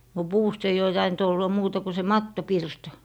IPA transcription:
no puːst eij oː tɑint olːɑ muːtɑ ku se mɑtːopirtɑ

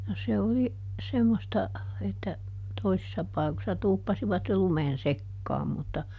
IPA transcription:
no se oli semːostɑ etːæ toisisːɑ pɑikosːɑ tuːpːɑsiʋɑt jo lumen sekːɑːm mutːɑ

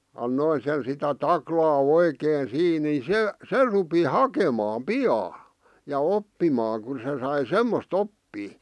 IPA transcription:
ɑnːoin sen sitæ tɑklɑː oikeːn siː ni se se rupi hɑkemɑːm piɑː jɑ opːimɑːŋ kun se sɑi semːost opːiː

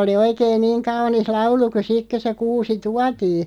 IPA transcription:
oli oikeːn niːŋ kɑunis lɑulu ku sik kø se kuːsi tuɑtiː

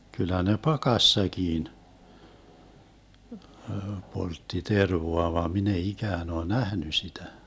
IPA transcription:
kylˑæ ne pɑkɑsːɑkiːn poltːi terʋoɑ ʋɑːm min ei ikæːn oː næhny sitæ

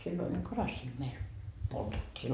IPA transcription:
silːoin olʲ kɑrɑsːiː meil poltetːiː

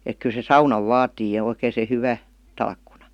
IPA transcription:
ek kyl se sɑunɑʋ ʋɑːtiː jɑ oikeˑĭ se hyʋæ tɑlkːunɑ̥

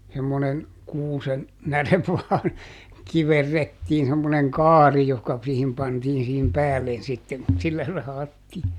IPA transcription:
semːonen kuːsen næreʋ ʋɑːn kiʋerːetːiːn semːoneŋ kɑːri johkɑ k siːhim pɑntiːn siːhim pæːlːen sitːem mut silːæ sɑhɑtːiː

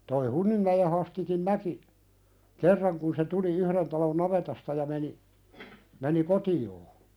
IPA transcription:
toi hunːimːæje hɑstikin næki kerːɑŋ kun se tuli yhɾen tɑlon nɑʋetɑstɑ jɑ meni meni kotioː

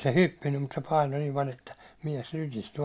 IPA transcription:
se hypːinːym mut se pɑino nim pɑlʲ etːæ miɛs lykisty

